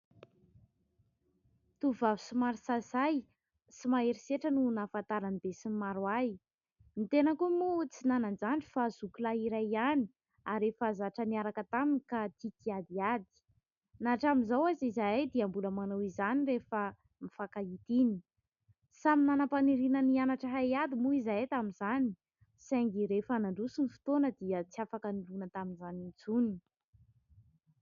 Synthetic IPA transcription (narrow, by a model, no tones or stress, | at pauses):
t̪uvavi̥simaɾisazaj | simaeɾiseʈ͡ʂənunafant̪aɾanibesimimaɾuaj | mit̪enəkumut͡sinanand͡zaɳɖ͡ʐi̥fazukulaiɾajani̥ | aɾefazaʈ͡ʂəniaɾakət̪aminikat̪it̪iad̪iad̪i̥ | naʈ͡ʂaminzawazizajd̪iambuləmanowizanirefə | mifakait̪ini̥ | saminanəpaniɾinənianaʈ͡ʂəɦajad̪imuizat̪aminzani̥ | saŋɡiɾefanaɳɖ͡ʐusinifi̥t̪onəd̪iət͡siafakənilunət̪aminzanint͡suni